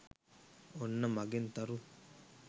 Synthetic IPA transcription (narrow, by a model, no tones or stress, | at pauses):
onːɐmɐɡent̪ɐɾu